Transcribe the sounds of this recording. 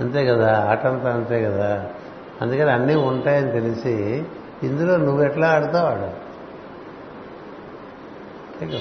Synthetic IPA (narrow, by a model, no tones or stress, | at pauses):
ɐnt̪e̞ːkɐd̪aːaːʈɐnt̪aːɐnt̪eːkɐd̪aː | ɐnd̪ukɐniɐnːiːuɳʈaːjɐnit̪elisi | ind̪uloːnuʋːuɛʈlaːaɽut̪aːʋaːɽu | nt̪eːkɐ